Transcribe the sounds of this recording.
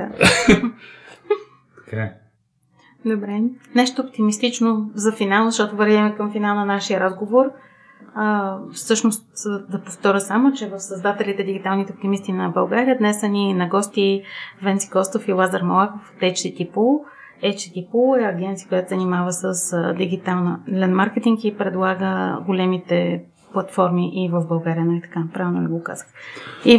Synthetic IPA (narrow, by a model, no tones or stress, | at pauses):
a | t̪ka | d̪obɾɛnɛʃt̪oːp̚t̪imist̪it͡ʃnozɐfinalˠzəʃt̪ɔt̪ovɛɾvʲɛmɛkəmfinalˠnɐnaʃijəɾazɡovoɾ | əfsɤʃnost̪d̪ɐpoft̪ɔɾʲəsamot͡ʃɛvəfsəzd̪at̪ɛlit̪ɛd̪iɡ̟it̪alˠnit̪ɛop̚t̪imist̪inɐbɐlˠɡaɾiəd̪nɛsɐnʲinɐɡɔst̪ivɛnt̪si̥kɔst̪ofilˠazəɾmolˠakofo̥t̪ɛt͡ʃsit̪ipulˠ | ɛjt͡ʃ̪it̪ipulˠɛɐɡɛnt̪sijə̥kojat̪ozɐnimavəsəsd̪iɡit̪alˠnəlɛnmaɾkɛt̪iŋkipɾɛd̪lˠaɡəɡolɛmit̪ɛ | plˠɐt̪fɔɾmiʔivəvbɐlˠɡaɾijənalit̪ɐ̥kapɾavɛlˠnolʲiɡoka̰zəxi